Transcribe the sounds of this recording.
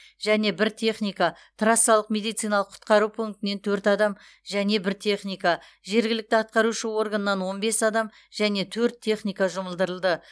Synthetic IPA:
ʒ̥æne̞bɪɾt̪ʲʰe̞χnijka | t̪ʰrasːɑlˠəqmʲe̞d̪ijt̪sɨjnɑlˠəqʰʊ̥t̪qɑɾupʰuŋk̚t̪ɪne̞nt̪ʰɵɾt̪ɑd̪ɑm | ʒæne̞bɪɾt̪ʰe̞χnijka | ʒe̞ɾɡʲɪlɪkt̪ɪɑt̪̚qɑɾuʃəwo̞ɾɡanəːɑnwo̞nbe̞sɑd̪ɑm | ʒæne̞t̪ʰɵɾt̪ʰːe̞χnijkaʒʊməlˠd̪əɾəlˠd̪ə

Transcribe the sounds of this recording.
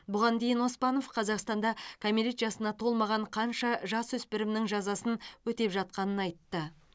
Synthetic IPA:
bʊʁɑnd̪e̞jɪno̞spɑno̞fqʰɑzɑqst̪ɑnd̪ɑkʰomʲiɾʲet̪ʒɑsənɑt̪ʰo̞lˠmɑʁɑɴqʰɑnʃɑʒɑswɵspɪɾɪmnɪŋʒɑzɑsənwɵt̪e̞pʒɑt̪̚qɑnənɑjt̪ːə

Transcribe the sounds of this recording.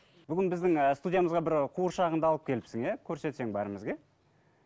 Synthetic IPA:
b̥ʏɡʲɪnbɪzd̪ɪŋəst̪ud̪ʲijaməzʁɑbɪɾqʰuəɾʃɑʁənd̪ɑlˠəp̚kʲʰe̞lɪpsɪŋekʲʰɵɾse̞t̪se̞ŋbɑɾəməzɡʲe̞

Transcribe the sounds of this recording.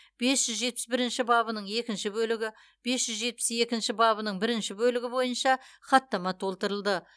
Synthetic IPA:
b̥e̞sʒ̥ʏzʒe̞t̪̚pɪ̥sbɪɾɪnʃɪbɑβənəɴe̞kʲɪnʃɪbɵlɪɡʲɪ | b̥e̞sʒ̥ʏzʒe̞t̪̚pɪ̥se̞kʲɪnʃɪbɑβənəɴbɪɾɪnʃɪbɵlɪɡʲɪbo̞jənʃɑχɑt̪ːɑmɑt̪ʰo̞lˠt̪əɾəlˠd̪ə

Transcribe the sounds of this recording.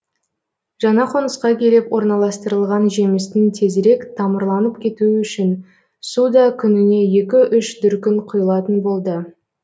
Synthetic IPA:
ʒ̥ɑɴɑqʰo̞nəsqɑkʲʰe̞lepwo̞ɾnɑlˠɑst̪əɾəlˠʁɑnʒe̞mɪst̪ɪnt̪ʰe̞zɾe̞kt̪ʰɑməɾlˠɑnəpkʲʰe̞t̪uʏʃɪn | sud̪ɑkʲʰʏnɪne̞je̞kʲɪʔʏʃd̪ʏɾkʲɪnqʰʊjəlˠɑt̪ənbo̞lˠd̪ə

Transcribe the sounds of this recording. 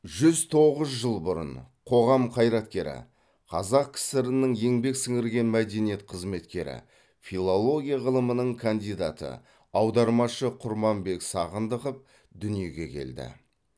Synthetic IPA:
ʒʏzt̪ʰo̞ʁəzʒəlˠbʊɾə̰nqʰo̞ʁɑmqʰɑjɾɑt̪kʲe̞ɾɪ̰ | qʰɑ̰zɑq̚kʲʰɪ̥sɪɾɪnəŋje̞ŋbe̞ksɪŋɪɾɡʲe̞nmæd̪e̞nije̞t̪qʰəzme̞t̪kʲe̞ɾɪ̰ | filˠolˠo̞ɡʲijaʁəlˠəmənəɴkʰand̪ijd̪a̰t̪ə̰ | ɑwd̪ɑɾmɑʃəqʰʊɾmɑmbe̞ksɑʁənd̪əqəp̚ | d̪ʏnije̞ɡʲe̞̰kʲʰe̞̰ld̪ɪ̰

